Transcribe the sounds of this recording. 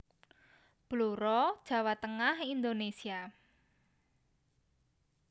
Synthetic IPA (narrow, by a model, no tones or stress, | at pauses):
b̥luɾɔd̥ʒ̥ä̤wat̪əŋahind̪onesia